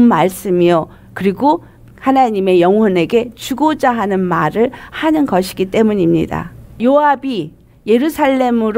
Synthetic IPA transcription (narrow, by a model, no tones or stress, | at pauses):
nmaɭs͈ɯmio | kɯɾiɡo | hanaɲime̞jʌŋɦwʌne̞ɡe̞t͡ɕuɡod͡ʑaɦanɯnmaɾɯɭhanɯnɡʌɕʰiɡit͈e̞muɲimɲḭda̰joabi | je̞ɾusʰaɭːe̞mɯɾ